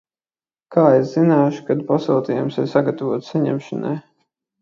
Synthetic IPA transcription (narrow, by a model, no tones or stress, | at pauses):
kʰaːeszinaːʃu̥kad̪pasɛlˠt̪ʲijumsiɾsaɡat̪avuɔt̪saɲɛ̰mʃana̰j